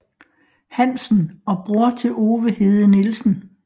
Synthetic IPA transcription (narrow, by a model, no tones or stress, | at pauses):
hæn̰sn̩ɒ̽b̥ʁuɐt͡sʰe̝o̝ːʋəhe̝ːð̩ˠənelsn̩